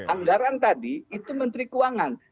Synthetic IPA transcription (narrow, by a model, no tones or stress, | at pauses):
aŋɡaɾant̪adiːt̪umənt̪ɾikuaŋan